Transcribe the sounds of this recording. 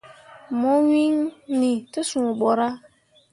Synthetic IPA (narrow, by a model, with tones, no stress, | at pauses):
mɔ˦wi˦ŋni˨tɪ˦sũ˨bɔ˨ɾa˦